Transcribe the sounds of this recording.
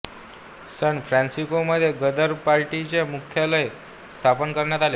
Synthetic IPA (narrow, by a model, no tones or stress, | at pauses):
səɳfɾæ̃nsikoməd̪ʱːjeɡəd̪əɾpaɾʈit͡ɕemukʰjaləj | st̪ʰapənkəɾɳjat̪ale